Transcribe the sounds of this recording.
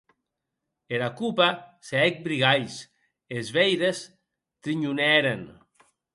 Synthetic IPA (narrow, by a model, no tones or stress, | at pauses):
eɾakupaseɛk̚bɾiɣajs | ezβɛjɾes | t̪ɾiɲunɛɾen